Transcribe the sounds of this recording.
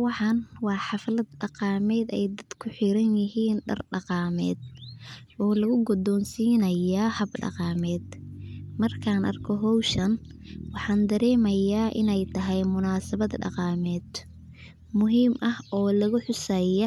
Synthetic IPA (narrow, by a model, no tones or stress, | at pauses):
wɑħɑnwɑːħɑflɐd̪̚ɖɑqɑːmɛːd̪ɛjd̪ɐd̪̥kʰʊħɪɾɐnjɪɦiːnɖɐ̰rɖɑqɑːmɛ̰ːd̪̚ʔɔːlɐɣʊɡɔd̪ɔːnsiːnɐjaːhɐbɖɑ̰qɑːmɛːd̪mɐrkʰaːnʔɐ̰rkʰɔɦɔwʃɐnwɑħɑːnd̪ɐɾɛːmɐjaːʔɪ̰nɛjt̪ʰɐɦɛjmʊnaːsɐβɐd̪ɖɑ̰qɑːmɛːd̪ | mʊɦiːmʔɐhɔːlɐɣʊħʊsɛjɔ